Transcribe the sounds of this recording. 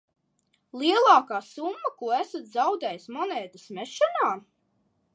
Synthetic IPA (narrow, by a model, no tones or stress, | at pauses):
lˠiɛlˠɑːkaːsumːakuɔæsat̪zawd̪ɛːjsmɔnɛːd̪ismɛʃɔnaː